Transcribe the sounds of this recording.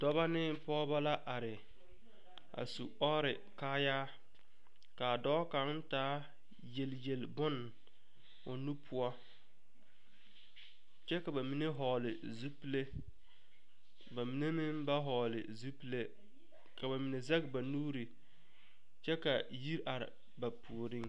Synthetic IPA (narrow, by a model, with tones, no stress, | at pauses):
dɔ˦ba˦nɪ˦pɔː˦ba˦la˦ʔa˨ɾɪ˨ | a̰˨su˨ɔː˦ɾɪ˨ | kaː˦jaː˦ | ka˨dɔː˦ka˨˦taː˦ | je˨lje˨lbʊ˦n | ʊ˨nu˦pʰʊ˦ɔ˦ | t͡ʃɛ˦ka˨ba˨mi˨ne˦ɦɔː˨lɪ˨ | zu˦pi˦le˦ | ba˨mi˨˦ne˦mɪ˦mba˦ɦɔː˨lɪ̰˨zu˦pi˦le˦ | ka˨ba˨mi˨ne˨za˦ɡba˨nuː˦ɾi˨ | t͡ʃɛ˦ka˨ji˦ɾʔa˨ɾɪ̰˨ | ba˨pu˨ɾɪ˦ŋ